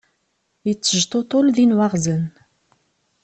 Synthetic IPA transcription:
it͡sːəʒt̪ot̪olðinwaʁzən

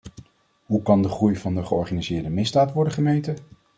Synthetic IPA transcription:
ɦukɑndəχrujvɑndəχəɔɹχaːnizɪːɹdəmɪzdaːtʋɔɹdəχəmejtə

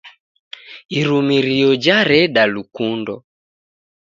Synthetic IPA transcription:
iɾumiɾiɔd͡ʒaɾɛɗalukundɔ

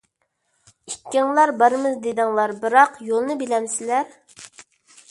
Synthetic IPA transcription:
ikʲːiŋlˠɑɾbɑɾɨmɨzd̪ed̪ɨŋlˠɑɾbɨɾɑqjolˠnɨbelɛmsɪlæɾ

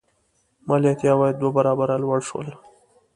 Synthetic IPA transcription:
mɑljat̪jɑwɑjed̪wabaɾɑbaɾalwəɽʃwə̰l

